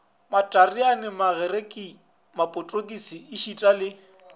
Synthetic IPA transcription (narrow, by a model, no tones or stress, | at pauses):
matʼarianɪmaɣɛrekʼi | mapʼʊtʼokʼisiːʃitʼalɪ